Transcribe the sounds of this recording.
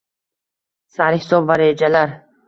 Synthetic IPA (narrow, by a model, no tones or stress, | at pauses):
saɾhɪsɒbvaɾed͡ʒalaɾ